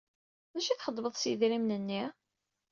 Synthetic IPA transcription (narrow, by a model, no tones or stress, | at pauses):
mæʃiθχəd̪ˤbəðˤsðɾimnənːi